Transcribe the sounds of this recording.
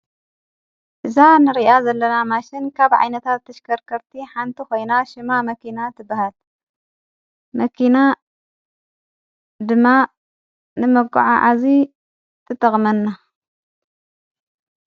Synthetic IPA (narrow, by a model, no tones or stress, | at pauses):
ʔɨzanɨɾiʔazɐlːɐnamaʃɪnkʰaβʕa̰jnɐt̪ʰat̪ʰːɐʃkʰɐɾkʰɐɾt̪ʰiħant̪ʰixo̞jnaʃɪmamɐkinat̪ʰɨbːahal | mɐkʰina | d̪ɨmːa | nɨmɐɡʼṵʕa̰ʕa̰zi | t̪ʰɨt̪ʼːɐxʼmɐnːa